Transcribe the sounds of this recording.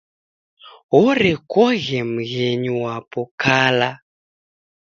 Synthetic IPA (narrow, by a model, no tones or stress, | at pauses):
ɦɔɾɛkɔɣɛm̩ɣeɲuwapɔkaːla